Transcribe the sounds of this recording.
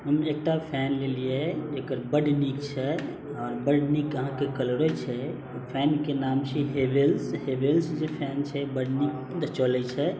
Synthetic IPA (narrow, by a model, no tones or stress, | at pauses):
ɦəmek̚ʈapʰɛːnlelied͡ʒekəɾbəɖnikt͡ʃʰɛ | ɔːɾbəɖnikəɦãkekəlɾɔt͡ʃʰɛ | pʰɛːnkenaːmsiɦebelsɦebelsd͡ʒepʰɛːnt͡ʃʰɛbəɖnik̚ | d̪ət͡ʃɔlɛt͡ʃʰɛ